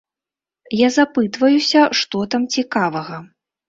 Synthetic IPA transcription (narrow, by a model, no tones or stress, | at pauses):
jazapɨt̪vɐjusʲɐʂt̪ɔt̪amt͡sʲikavɐɣɐ